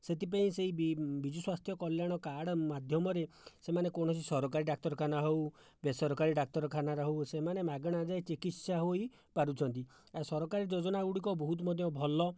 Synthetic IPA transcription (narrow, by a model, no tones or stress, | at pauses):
set̪ip̬aĩseɦibbid͡ʒɔswast̪ʰjɔkɔljaɽ̃ɔkaɽɔmad̪ʱjɔmɔɾe | semanekɔɽ̃ɔs̬isɔɾɔk̬aɾiɖak̚t̪ɔɾɔkʰanaɦew | besɔɾɔkaɾiɖak̚t̪ɔɾɔkʰanaɾɔɦwsemanemaɡɔɽ̃ad͡ʒajt͡ʃikit̪saɦoi | paɾut͡ʃʰɔnt̪i | asɔɾɔkaɾid͡ʒod͡ʒɔnaɡuɽikɔbɔɦut̪̬mɔd̪ʱjɔbʱɔlɔ